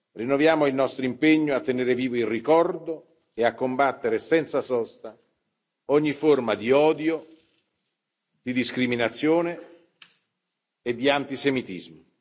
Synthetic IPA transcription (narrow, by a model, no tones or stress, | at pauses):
rinːovjaːmoilnɔst̪ɾoimpeɲːoat̪ːeneːɾeviːvoirikɔrd̪o | eakːombat̪ːeɾesɛnt̪sasɔst̪a | ɔɲːiformad̪iɔːd̪jo | d̪̥id̪iskɾiminat̪sːjoːne | ed̪ːiant̪isemit̪ḭzmo